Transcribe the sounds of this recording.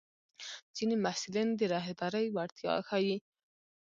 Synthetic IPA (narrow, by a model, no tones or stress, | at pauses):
z̥inimahsɪlind̪əɾɑɦed̪ɑɾəjwaɾt̪jɑ̰xawi